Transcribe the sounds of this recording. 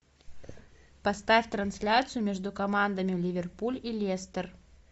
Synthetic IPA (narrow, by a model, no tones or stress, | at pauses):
pɐst̪afʲt̪ɾɐnsʲlʲat̪sɨjʊmʲɛʐd̪ukɐmand̪ɐmʲɪlʲivʲɛrpulʲilʲest̪ər